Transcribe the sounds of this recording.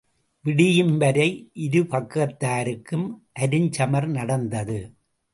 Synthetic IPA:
ʋɪɽɪjɯmbɐɾɐɪʔɪɾɯpɐkːɐt̪ːaːɾɯkːɯmʔɐɾɯɲt͡ʃɐmɐɾnɐɽɐnd̪ɐðɯ

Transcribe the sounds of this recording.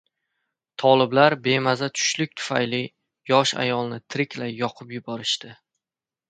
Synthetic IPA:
t̪ʰɒlˠɪblaɾbe̞mazat̪ʰʊ̥ʃlɪk̚ʲt̪ʰʊ̥fajlɪ | jɒʃa̰jɒlˠnɪt̪ʰɪɾɪkʲʰlajjɒqʰɨpjʊbɒɾɪʃt̪ɪ

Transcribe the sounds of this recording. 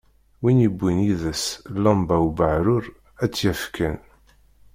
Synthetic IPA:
winibʷːiniðəslːɑmbæwbəʕɾʊɾ | æt͡sːjæfkʰæn

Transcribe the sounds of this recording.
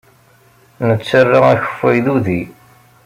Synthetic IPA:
nət͡sːərːaæçə̥fːæjðuði

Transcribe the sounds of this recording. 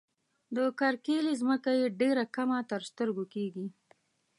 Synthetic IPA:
d̪əkaɾkelizməkajeɖeɾakamat̪əɾst̪əɾɡokeɡi

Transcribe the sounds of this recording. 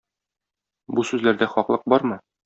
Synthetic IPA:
busʉzlæɾd̪æχɒqlˠɤq̚bɒɾmɤ

